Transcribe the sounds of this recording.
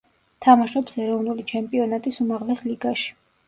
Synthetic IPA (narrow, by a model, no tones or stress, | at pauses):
t̪ʰamaʃɔpsɛɾɔvnulit͡ʃʰɛmpʼiɔnat̪ʼisumaʁlɛsliɡaʃi̥